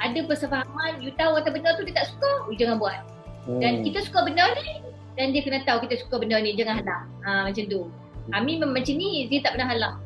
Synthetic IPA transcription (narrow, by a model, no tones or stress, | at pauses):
ʔadəpərsəfaɦamanjut̪awŋat̪awbənart̪udiət̪aʔsu̥kad͡ʒaŋanbuat̪̚ | dankit̪əsu̥kabənərni | dandiəkənət̪aukit̪asu̥kabənərnĩd͡ʒaŋanɦalah | əmat͡ʃant̪u | amĩmmat͡ʃanĩdiət̪aʔpənaɦalah